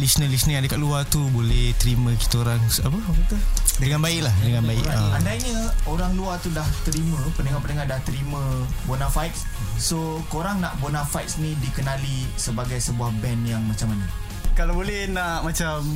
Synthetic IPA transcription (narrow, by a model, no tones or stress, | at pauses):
lisnəlisnĩadəkaʔluat̪ubolɛht̪əɾimə̃ki̥t̪əoɾaŋapəakit̪ədəŋãnbaɪʔlahdəŋanbaɪ̰ʔaandajɲə̃oɾaŋluat̪udaht̪əɾimə̃pənəŋapənəŋadaht̪əɾimə̃bonafajt̪̚s | so | koɾaŋnaʔbonafajt̪snĩdikənalisəbaɡajsəbuahbɛnjaŋmat͡ʃamanə | kalabolɛhnaʔmat͡ʃam